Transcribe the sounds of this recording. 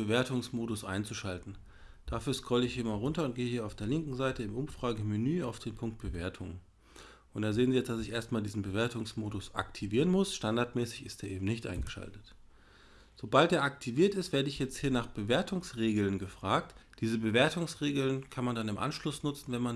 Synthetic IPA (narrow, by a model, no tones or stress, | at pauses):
bəveːɐtʊŋsmoːdʊsʔa̰ɪnt͡suʃaltn̩ | d̥afyːɐskʰɔləɪçhiːɐmaːlʁʊntɐʊntɡ̥eːəɦiːɐaʊfd̥eːɐlɪŋkŋ̩zaɪtəɪmʔʊmfʁ̥aːɡəminyːaʊfd̥eːnpʰʊŋk̚t̚b̥əveːɐtʰʊ̰ŋ | ʔʊntd̥aːzeːənzijɛt͡sd̥asɪçʔeːɐstmaːldiːzn̩bəveːɐtʊŋsmoːdʊsʔa̰ktʰiviːʁənmʊsʃtandaɐtmɛːsɪçɪst̚d̥eːɐʔeːbm̩nɪçtʔa̰ɪnɡəʃa̰ltə̥t | z̥obalt̚d̥eːɐʔak̚tʰiviːɐtɪstveːɐdəɪçjɛt͡sthiːɐnaːχb̥əveːɐtʰʊŋsʁeːɡl̩nɡəfʁ̥aːk̚td̥iːzəbəveːɐtʊŋsʁeːɡl̩nkʰanmandanɪmʔa̰nʃlʊsnʊt͡sn̩vɛnman